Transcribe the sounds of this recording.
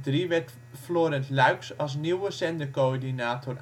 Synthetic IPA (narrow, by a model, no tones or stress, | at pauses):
driʋɛt | floːɾəntlœɥksɑlˠs̬niwəsɛndəkoɹdinaːtʰor